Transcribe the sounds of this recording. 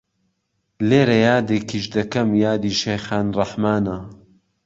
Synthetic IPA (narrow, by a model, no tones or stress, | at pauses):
leːɾɐjaːd̪ekʰiːʃd̪ɐkɐmjaːd̪iːʃejxaːnrɐħmaːnɐ